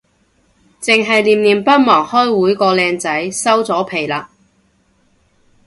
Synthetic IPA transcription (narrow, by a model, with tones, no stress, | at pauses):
t͡sɪ˨ŋɦɐ˨jliː˨mniː˨˩mpɐ˥t̚mɔː˨˩ŋhɔː˥jwuː˨˥jkɔː˧lɛː˧ŋt͡sɐ˨˥jsɐ˥wt͡sɔː˨˥pʰe˨˩jlaː˧